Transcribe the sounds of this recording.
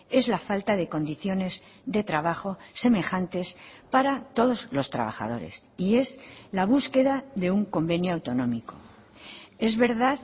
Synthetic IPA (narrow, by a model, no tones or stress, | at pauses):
e̞zlafalt̪aðe̞ko̞nd̪iθjo̞ne̞z | ðe̞t̪ɾaβ̞aχo̞se̞me̞xant̪e̞spaɾat̪o̞ð̞o̞zlo̞st̪ɾa̰βa̰xa̰ð̞o̞̰ɾe̞̰s | ie̞zlaβ̞uske̞ðaðe̞uŋko̞mbe̞njoawt̪o̞nõ̞miko̞̰ | e̞zβe̞ɾðað